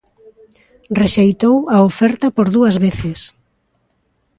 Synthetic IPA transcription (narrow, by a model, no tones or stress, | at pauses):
reʃejt̪owɐofɛɾt̪ɐpoɾðuɐzβeθɪs